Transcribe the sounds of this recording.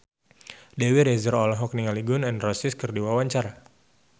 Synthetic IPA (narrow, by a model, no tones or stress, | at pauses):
dɛwiɾɛzəɾɔlɔɦɔk̚niŋaliɡʊnɛnrɔsɪskərdiwawaɲt͡ʃaɾa